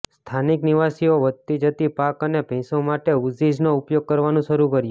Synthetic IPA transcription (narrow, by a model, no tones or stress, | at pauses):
st̪ʰanikniʋasioʋəd̪̚t̪id͡ʒət̪ipakənebʱĩsõmaʈeuzid͡ʒnoupjoɡ̚kəɾʋanũʃəɾukəɾjũ